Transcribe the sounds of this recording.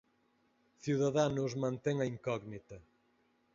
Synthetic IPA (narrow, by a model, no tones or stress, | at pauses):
θiwðaðanʊzmãnt̪eŋɐiŋkɔɣnit̪ɐ